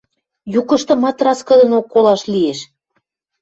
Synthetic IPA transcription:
jukə̆ʃt̪ɤ̆mɑt̪rɑskɤ̆d̪ə̆nokːolɑʃlieʃ

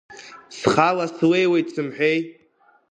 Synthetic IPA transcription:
sχalaswejwejsʰɨmħʷᶣej

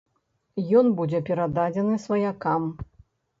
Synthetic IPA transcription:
jɔnbud͡zʲɛpʲɛɾad̪ad͡zʲɛnɨsvɐjakam

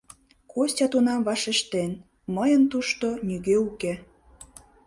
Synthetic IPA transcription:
kostʲɑt̪unɑmvɑʃeʃt̪en | məjənt̪uʃt̪onʲyɣeuke

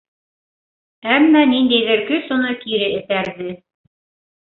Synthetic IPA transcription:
æmːænind̪æjðɘ̆ɾkɵsŏnɤkiɾɘɘ̆θæɾðɘ

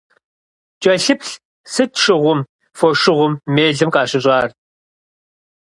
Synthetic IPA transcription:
t͡ʃʼɐɬɨpɬ | sɨtʰʂɪʁʷʊm | fɔʂɪʁʷʊmːeːɮɨmqɑːɕɪɕʼɑːr

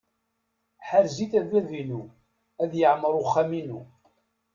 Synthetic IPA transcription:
ħaɾziθævævinu | æðjəʕməɾˤʊχːæminu

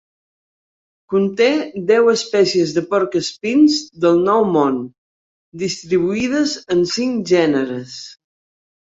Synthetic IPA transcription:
kunt̪ed̪ɛwəspɛsiəzðəpɔɾkəspinzðəlˠnɔwmon | d̪ist̪ɾiβ̞uiðəzənsiŋʒɛnəɾəs

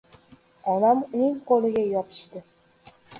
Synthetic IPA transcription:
ɒnamʊnɪŋqolˠɪɡʲajɒpʰɪ̥ʃt̪ɪ

